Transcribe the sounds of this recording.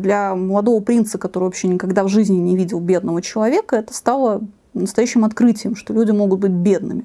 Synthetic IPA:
d̪lʲɐməlˠɐd̪o̞vəpɾʲint̪səkɐt̪oɾɨɪvɐpɕːenʲɪkɐɡd̪avʐɨzʲnʲɪnʲɪvʲidʲɪlˠbʲe̞d̪nəvət͡ɕɪlˠɐvʲe̞kəɛt̪ə̥st̪alˠə | nəst̪ɐjæɕːɪmɐt̪kɾɨtʲɪjəmʂt̪olʲudʲɪmo̞ɡʊt̪̚bɨtʲbʲe̞d̪nɨ̰mʲɪ

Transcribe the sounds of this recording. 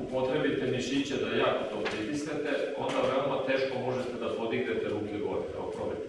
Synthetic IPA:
upo̞t̪ɾebit̪eniʃit͡ɕed̪ajaːkot̪o̞ːpɾip̪isnet̪eo̞nd̪aʋeomat̪e̞ːʃkomo̞ʒet̪ed̪apo̞d̪iɡnet̪eɾuːkeɡo̞ɾia̰opɾo̰met̪

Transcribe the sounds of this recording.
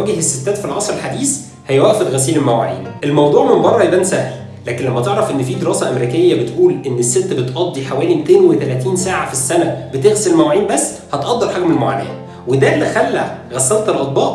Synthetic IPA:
æɡehesːet̪ːæːd̪filʕɑsˤɾelħad̪iːs | hæjwæʔfod̪ɣæsiːlelmæwæ̰ʕḭːnʔelmɑwd̪ˤuːʕmembɑrˤːɑhjebʔænsæhl | læːkenlæmːæt̪eʕɾæfʔenːfiːd̪eɾɑːsæʔæmeɾiːkejːæbet̪ʔuːlʔenːesːet̪ːbet̪ʔɑd̪ˤːiħawæːlimet̪eːnwet̪ælæːt̪iːnsaːʕafisːænæbet̪eɣselmæwʕiːnbæsː | hɑt̪ʔɑd̪ːɑɾˤħaɡmelmoʕa̰næ̰ːh | wed̪æʔlːixælːæɣæsːælt̪elʔɑt̪̚ˤbɑːʔ

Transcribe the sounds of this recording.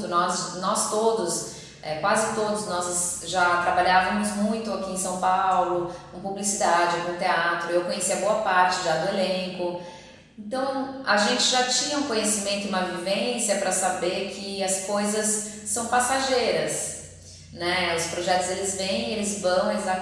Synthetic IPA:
d̪ʊnɔznɔst̪od̪ʊs | ɛkwazɪt̪od̪ʊznɔzsʒat̪ɾabaʎavɐmʊzmũj̃t̪ʊakiẽsɐ̃w̃pawlʊkõpublisid̪ad͡ʒɪkõt̪eat̪ɾʊewkõɲesiɐboɐpaɾt͡ʃɪʒad̪ʊelẽkʊ | ẽnt̪ɐ̃w̃aʒẽnt͡ʃɪʒat͡ʃĩɲɐũkõɲesimẽnt̪ʊɪũmɐvivẽsjɐpɾɐsabeɾkʰɪɐskojzɐsːɐ̃w̃pasaʒejɾɐs | nɛʊspɾoʒɛt̪ʊzd̪elɪzvẽj̃elɪzvɐ̃w̃eza

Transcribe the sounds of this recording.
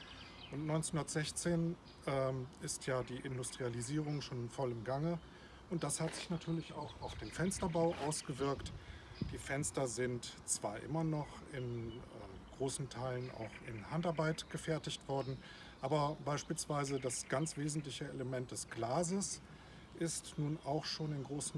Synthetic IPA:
ʔʊntnɔʏnt͡snhundɐtz̥ɛçt͡seːn | ʔɛːɪstʰjaːdiːʔɪndʊstʁ̥ializiːʁʊŋʃoːnɪnfɔlɪmɡaŋə | ʔʊnt̚d̥ashatz̥ɪçnatʰyːɐlɪça̰ʊxaʊfd̥eːnfɛnstɐbaʊʔaʊsɡ̥əvɪɐktd̥iːfɛnstɐzɪntt͡sv̥aːɐʔɪ̰mɐnɔχ | ɪnɛː | ɡ̥ʁoːsn̩tʰaɪlənʔa̰ʊxɪnhantaɐbaɪtɡ̥əfɛɐtɪçtv̥ɔɐdn̩ | ʔaːbɐbaɪʃpiːlsv̥aɪzədasɡ̥ant͡sv̥eːzn̩tlɪçəeləmɛnt̚d̥ɛsɡ̥laːzəs | ʔɪstnuːnaʊxʃoːnɪnɡʁoːsn̩

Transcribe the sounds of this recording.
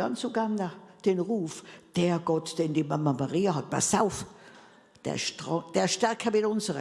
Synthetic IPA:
ɑnt͡suɡandad̥enʁuːfd̥eːɡ̥ɔtd̥endimamɐmaʁiːəɦɑt̚b̥a̰saʊf | d̥ḛɐʃtɔd̥eːɐʃtɛʁkʰəmɪdʊnzəʁə

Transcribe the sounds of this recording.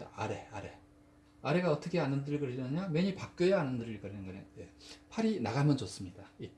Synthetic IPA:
a̰ɾe̞aɾe̞ | aɾe̞ɡaʌt͈ʌkʰeanɯndɯɾɯɭkɯɾɯɕʰinɯɲameɲipak͈̚ʌjʌanɯndɯɾɯɭkʌɾinɯnɡʌna̰jepʰaɾinaɡamjʌnt͡ɕos͈ɯmɲidai

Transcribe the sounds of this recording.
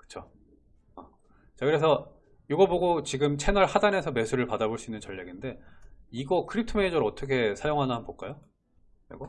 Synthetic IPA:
kɯ̥t͡ɕʰo | ʌ | t͡ɕakɯɾe̞s̬ʰʌ | joɡʌboɡot͡ɕiɡɯmt͡ɕʰe̞nʌɭhadane̞sʰʌme̞sʰuɾɯɭpadaboɭs͈uinːɯnt͡ɕʌʎːeɡinde̞iɡʌkʰɯɾip̚tʰɯmeid͡ʑʌɾʌt͈ʌk̬ʰe̞sʰajoŋɦannɦanbok͈ajo | ḛɡo

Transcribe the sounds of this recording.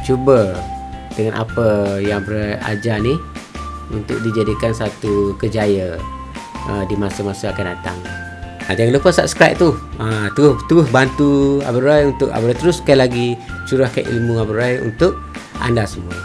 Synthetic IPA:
t͡ʃubə | d̥əŋanʔa̰pəjaŋabɾaja̰d͡ʒanih | unt̪ʊ̰k̚did͡ʒadikansat̪ukəd͡ʒajə | ʔədimasəmasəakandat̪a̰ŋ | ʔad͡ʒaŋlupənsap̚skɾa̰p̚t̪uət̪əʊht̪uɾʊhbant̪ua̰bəɾuajunt̪ʊʔa̰bəɾajt̪əɾʊskajlaɡisuɾahka̰ʔʔḭlmuabəɾuajṵnt̪ʊʔ̚a̰ndasəmuə̰

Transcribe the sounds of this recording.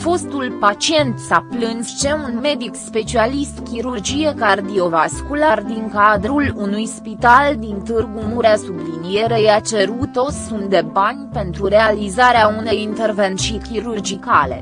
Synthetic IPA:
fo̞st̪ulpat͡ʃie̞nt̪saplɨnst͡ʃe̞unme̞d̪ikspe̞t͡ʃialist̪kʲiɾurd͡ʒije̞kard̪io̞vaskulard̪iŋkad̪ɾulunujspit̪ald̪int̪ɨrɡumuɾeasublinije̞ɾejat͡ʃe̞ɾut̪o̞sunt̪d̪e̞banʲpe̞nt̪ɾuɾe̞alizaɾeaune̞jint̪e̞rve̞nt̪sijkʲiɾurd͡ʒikale̞̰

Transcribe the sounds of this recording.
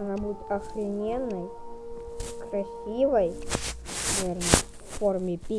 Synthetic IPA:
nabut̪ɐxlʲɪnʲenːɨj | kɾɐsʲivəjnavʲernə | formʲɪpʲi

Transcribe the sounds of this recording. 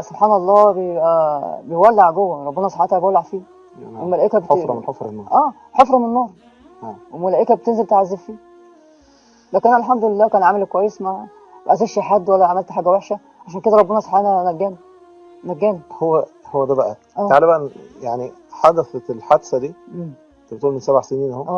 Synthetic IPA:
sobħaːnɑlˤːɑːbejebʔæbejwælːeʕɡowːæɾˤɑbːenæsˤɑħɑt̪hæbewælːeʕfiː | emælæʔekæbeofɾʔæː | ħofɾˤɑmnenːɑːɾˤ | wemʊlæʔekæbet̪enzelt̪eʕazːebfiː | d̪æknʔænælħamd̪olelːæːkæːnʕamelkwæjːesmæ | bæʔæzæʃiħad̪ːwælːæʕamælt̪ħaːɡæweħʃæ | ʕaʃæːnked̪æɾˤɑbːenæsˤɑħenænæɡːæːni | næɡːæːnihowːæhowːæd̪æbæʔæ | ʔæːt̪aʕlebæænjaʕni | ħad̪æfeelħad̪sæd̪iːʔemː | t̪bet̪ˤuːlmensæbʕaseniːnhowæːæ

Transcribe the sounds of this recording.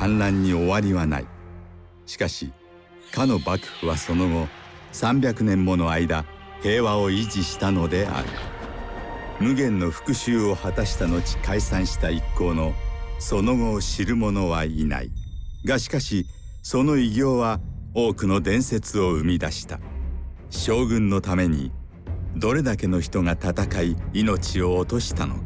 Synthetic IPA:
kãnɾãɲ̟ːio̞βaɾʲiβana̰ḭ | ɕi̥kaɕi | kano̞bakɯ̟̥ɸɯ̟βaso̞no̞ɡo̞ | sãmbʲjakɯ̟nẽ̞mːo̞no̞aid̪ahe̞ːβao̞iʑiɕi̥t̪ano̞d̪e̞ʔa̰ɾɯ̟̰ | mɯ̟ɡẽ̞nːo̞ɸɯ̥kɯ̟ɕɨːo̞hat̪aɕi̥t̪ano̞t͡ɕi̥kaisãɰ̃ɕi̥t̪aikːo̞ːno̞so̞no̞ɡo̞ːɕiɾɯ̟mo̞no̞βaina̰ḭɡaɕi̥kaɕi | so̞no̞iɡʲo̞ːβaoːkɯ̟no̞d̪ẽ̞ɰ̃se̞t͡sɨo̞ɯ̟mʲid̪aɕi̥t̪a̰ | ɕo̞ːɡɯ̟̃nːo̞t̪ame̞ɲ̟ḭ | d̪o̞ɾe̞d̪ake̞no̞çi̥t̪o̞ŋat̪at̪akaiino̞t͡ɕio̞ːt̪o̞ɕi̥t̪ano̞̰kḁ

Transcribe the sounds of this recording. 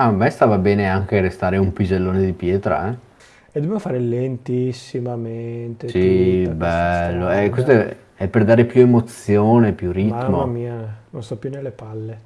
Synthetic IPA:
amɛst̪aːvabɛːneaŋk̟eɾest̪aːɾeumpid͡ʒelːoːned̪ipjɛːt̪ɾa̰ɛ | ed̪obemofaːɾelent̪isːimament̪esibɛlːoɛkwest̪oɛ | ɛpːerd̪aːɾepjuemot̪sːjoːnepjurit̪moamiːanonst̪ɔpːjunelːepalːe

